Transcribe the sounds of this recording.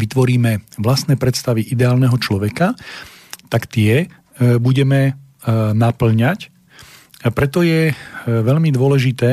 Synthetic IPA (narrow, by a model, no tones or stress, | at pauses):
ʋit̪ʋɔɾiːmɛʋlast̪nɛːpɾɛt̪st̪aʋiʔid̪ɛaːlnɛɦɔt͡ʃlɔʋɛka | t̪akt̪ɪɛ | buɟɛmɛ | napl̩ɲac | pɾɛt̪ɔjɛʋɛʎmid̪ʊɔlɛʒit̪ɛː